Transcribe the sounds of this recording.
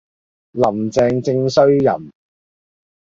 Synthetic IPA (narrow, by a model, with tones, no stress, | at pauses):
lɐ˨˩mt͡sɛː˧ŋt͡sɪ˧ŋsɵ˥ɥjɐ̰˨˩m